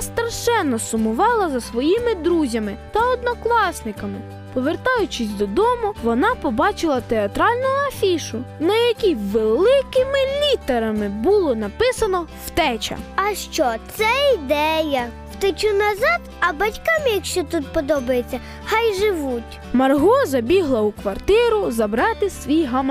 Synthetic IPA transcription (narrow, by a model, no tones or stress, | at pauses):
st̪ɾɐʃɛnːɔsʊmʊʋɑlˠɐzɐsʋɔjimɪd̪ɾuzʲɐmɪt̪ɐɔd̪nɔklˠɑsnɪkɐmɪ | pɔʋert̪ɑjʊt͡ʃɪsʲd̪ɔd̪ɔmʊʋɔnɑpɔbɑt͡ʃɪlˠɐt̪eɐt̪ɾɑlʲnʊɐfʲiʃʊnɐjɐkʲiʋelˠɪkɪmɪlʲit̪ɐɾɐmɪbʊlˠɔnɐpɪsɐnɔw̥t̪ɛt͡ʃɐ̰ɐʃt͡ʃɔt̪sɛid̪ɛjɐ | wt̪ɪt͡ʃunɐzɑd̪ɐbɐtʲkɑmjɐkʃt͡ʃɔt̪ut̪̚pɔd̪ɔbɐjet͡sʲːɐ | xɑjʒɪʋutʲ | mɐrɦɔzɐbʲiɦlˠɐukʋɐrt̪ɪɾʊzɐbɾɑt̪ɪsʋʲijɦɐm